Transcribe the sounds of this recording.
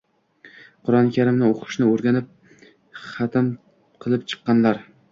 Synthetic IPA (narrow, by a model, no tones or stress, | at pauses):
qʰʊɾɒnkʲʰaɾɪmnɪoqʰɨ̥ʃnɪoɾɡʲanɪp̚ | χɑt̪ʰɪm | qʰɨlˠɪp̚t͡ʃʰɨ̥qːɑnlaɾ